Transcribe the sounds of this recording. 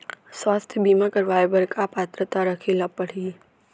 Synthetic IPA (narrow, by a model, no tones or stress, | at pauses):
swaːst̪ʰjəbiːmakəɾʋaːjbəɾkapaːt̪ɾət̪aɾəkʰelapəɽ̤iː